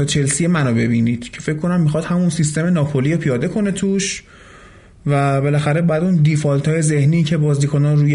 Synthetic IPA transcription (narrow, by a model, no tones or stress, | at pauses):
ɒt͡ʃʰelsijemænobe̞biːniːd̪̥cʰe̞fecʰko̞næmːixɒːd̪̥hæmunsist̪e̞me̞nɒːpʰolijopʰijɒːd̪e̞kʰo̞ne̞t̪ʰuːʃ | væbe̞læxæɾebɔæd̪und̪ifɒlt̪ʰɒːje̞ze̞hniːcʰe̞bɒːzd̪iːkʰonɒnɾuːje